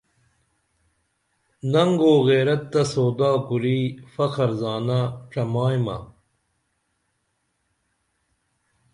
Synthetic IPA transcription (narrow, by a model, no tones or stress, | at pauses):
nɐŋɡoːɣeːɾɐt̪ːɐsoːd̪aːkuɾiːfɐkɐɾzaːnaʈ͡ʂɐmaːjmɐ̰